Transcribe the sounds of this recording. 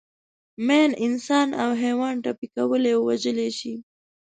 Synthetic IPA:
menɪnsɑnawɦewɑnʈapikawəlewwad͡ʒəleʃi

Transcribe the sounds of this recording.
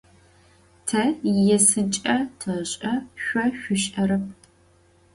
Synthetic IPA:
tʰɐjɛsɨt͡ʃʼɐtʰɐɕʼɐʃʷɔɕʷʊɕʼʔɐɾɐp̚ʰ

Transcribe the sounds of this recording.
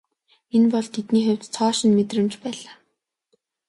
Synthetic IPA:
enpɔɮt̪ʰet̪niːxʊw̥ʲt͡st͡sʰɔːʃɪ̆nmet̪rɘ̆mt͡ɕpæːɮaː

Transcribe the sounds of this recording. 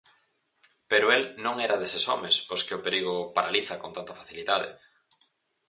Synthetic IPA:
peɾʊelnõŋɛɾɐðesesɔ̰mesposkɪʊpeɾiɣopaɾaliθɐkont̪ant̪ɐfaθiliðaðɪ̰

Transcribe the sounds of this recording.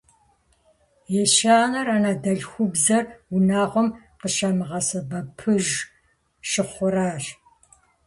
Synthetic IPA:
jɛʃaːnɐranadɐɮxʷʊbzɐrʊnaːʁʷɔm | qəʃɐmɨʁɐsɐbɐpʰɨʒ | ʃɪχʷʊɾaːɕ

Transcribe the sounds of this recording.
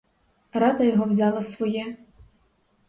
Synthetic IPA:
ɾɑd̪ɐjɔɦɔwzʲɑlˠɐsʋɔjɛ

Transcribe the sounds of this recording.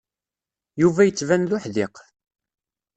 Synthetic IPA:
juvæjət͡sːvænlʊħðɪq

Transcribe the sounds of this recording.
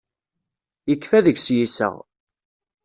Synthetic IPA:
jəkːfæðəɡsjisə̰ʁ

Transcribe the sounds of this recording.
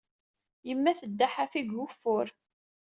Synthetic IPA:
jəmːæθəd̪ːaħafiɡʊfːʊɾ

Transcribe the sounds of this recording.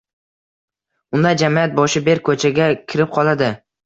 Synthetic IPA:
ʊnd̪ad͡ʒamijat̪̚bɒʃɪbe̞ɾkʰɵt͡ʃʰaɡʲakʲʰɪɾɪp̚qʰɒlˠad̪ɪ

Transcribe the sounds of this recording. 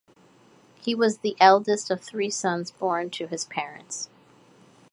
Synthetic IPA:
hiwʌzðiʔɛlˠdɨstʌv̥θɹisʌ̃nzbɔɹntʰɨɨz̥pʰɛɹɨ̰̃nts

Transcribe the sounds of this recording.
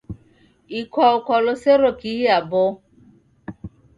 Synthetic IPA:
ikʰɔʊkɔlʊseɾokiiabʊ

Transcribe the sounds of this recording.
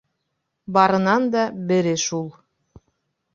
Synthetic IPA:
bɑɾɤ̆nɑnd̪ɑbɘ̆ɾɘʃulˠ

